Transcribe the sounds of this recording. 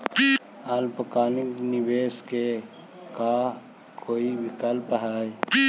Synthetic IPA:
əlpəkaːnɪknɪbeːske | ka | kʰoːibʱikəlpɦɛj

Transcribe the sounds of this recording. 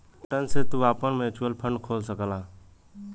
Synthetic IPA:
ʈənset̪uːaːpənmẽːt͡ʃːəlpʰə̃ɳɖkʰoːlsəkəlãː

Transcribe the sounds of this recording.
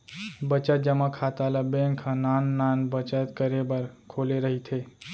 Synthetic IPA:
bət͡ʃət̪̚d͡ʒəmãkʰat̪alabẽŋkʰãnanːanbət͡ʃət̪kəɾebəɾkʰoleɾəɦit̪ʰe

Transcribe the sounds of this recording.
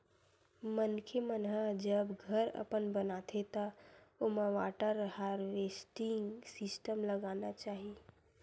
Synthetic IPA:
mənkʰemənɦəd͡ʒəbɡʱəɾə̰pənbənaːt̪ʰet̪aomãʋaːʈəɾhaɾɾeːsʈɪ̃ŋɡsɪsʈəmləɡaːnat͡ʃaːɦi

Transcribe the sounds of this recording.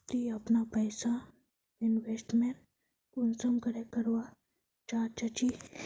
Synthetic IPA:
t̪iapnapəjsa | inʋesʈmeɳʈ | kunsəmkəɾekəɾʋa | t͡ɕaɾt͡ʃat͡ɕi

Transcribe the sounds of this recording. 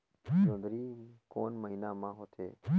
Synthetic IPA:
d͡ʒõːd̪ɾiːkoːnməɦiːnaːmãːɦot̪ʰḛː

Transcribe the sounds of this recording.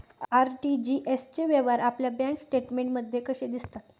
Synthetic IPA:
aɾʈid͡ʑiʔest͡ɕeʋeʋaɾapljabãŋksʈeʈmeɳʈməd̪ʱjekəɕed̪ist̪at̪

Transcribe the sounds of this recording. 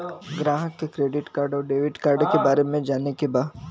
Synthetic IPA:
ɡɾaːɦəkːekɾeːɖɪʈkaːɾɖɔːɾɖeːʋɪʈkaːɾɖkebaːɾemẽd͡ʒaːnekebaː

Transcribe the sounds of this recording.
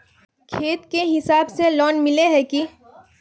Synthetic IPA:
kʰeːt̪keɦɪsaːbselɔːnmɪleɦɛki

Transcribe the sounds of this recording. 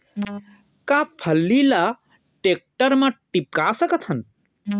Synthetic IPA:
kapʰɐlːila | ʈek̚ʈɐɾmɐ̃ʈip̚kaːsɐkɐt̪ʰɐn

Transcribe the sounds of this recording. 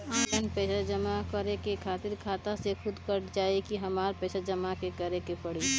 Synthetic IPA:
aːʈənpɛːsad͡ʒəmakəɾekekʰaːt̪ɪɾkʰaːt̪asexʰʊd̪kəɾd͡ʒaːekiɦɐmaːɾpɛːsad͡ʒəmakekəɾekepəɽi

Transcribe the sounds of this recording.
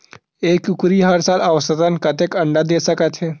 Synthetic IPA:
eːkukɾiɦɐɾsaːlaʋsət̪ənkɐt̪ekɐɳɖad̪eːsəkət̪ɦɛː

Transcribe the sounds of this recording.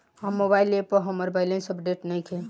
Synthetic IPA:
həmːobailepəɾɦəməɾbajlẽnsəpɖeʈnəjkʰe

